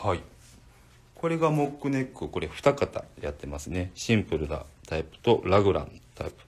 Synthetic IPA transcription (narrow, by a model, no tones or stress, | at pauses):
hai | ko̞ɾe̞ɡamo̞kːɯ̟ne̞kːɯ̟ko̞ɾe̞ɸɯ̟̥t̪akat̪a̰jat̪ːe̞masɨne̞ɕĩmpɯ̟ɾɯ̟d̪a̰t̪ʰaipɯ̟̥t̪o̞ɾaɡɯ̟ɾã̰nt̪ʰa̰ipɯ̟̥